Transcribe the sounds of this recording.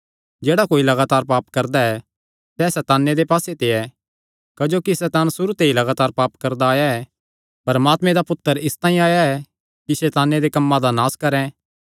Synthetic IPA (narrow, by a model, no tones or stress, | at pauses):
d͡ʒeːɽakoːilɐɡaːt̪aːɾpaːpkɐɾd̪aɛ | sɛsɛt̪aːnːed̪epaːset̪eɛ | kɐd͡ʒoːkisɛt̪aːnsʊɾut̪eilɐɡaːt̪aːɾpaːpkɐɾd̪aːjaɛ | pɐɾmaːt̪mẽd̪apʊt̪ːəɾɪst̪ãːĩaːjaɛ | kisɛːt̪aːnːed̪ekɐmːad̪anaːskɐɾɛ̃